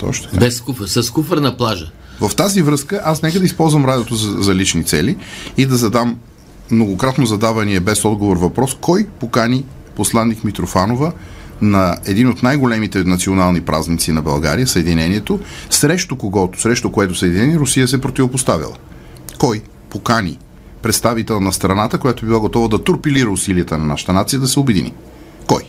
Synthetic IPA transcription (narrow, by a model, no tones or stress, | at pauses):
t̪ɔ̰ʃt̪bɛskufəsɐskufəɾnɐplˠaʒə | vəft̪azivɾɤskəʔasnɛkəd̪ɐispɔlˠzvəmɾad̪ɛt̪ʊzzɐlit͡ʃnit̪sɛliid̪ɐzɐd̪amː | noɡokɾat̪nozɐd̪avɐniɛbɛsɔd̪ɡovoɾvɐpɾɔskɔjpokani | poslˠanːikmit̪ɾofanovə | nɐɛd̪inot̪najɡolɛmit̪ɛnɐt̪sionalˠnipɾʔa̰znit̪sinɐbɐlˠɡa̰ɾijəsəɛd̪inɛniɛt̪osɾɛʃt̪okoɡɔt̪osɾɛʃt̪okoɛt̪ʊsəɛd̪inɛniɾʊsijəsɛpɾot̪ivopost̪avḭlˠə̰ | kɔj | pokanḭ | pɾɛt̪st̪avit̪ɛlˠnɐst̪ɾɐnat̪əkojat̪oɛbilˠaɡot̪ɔvəd̪ɐt̪uɾpiliɾəʊsiliət̪ənɐnaʃə̥t̪ənat̪sijəd̪ɐsɛobɛd̪ḭnḭ | kɔj